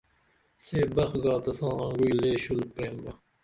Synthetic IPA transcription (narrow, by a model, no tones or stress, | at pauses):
seːbɐxɡɑːt̪ɐsɑ̃ːɑ̃ŋɡuileːɕulpɾẽːnbɐ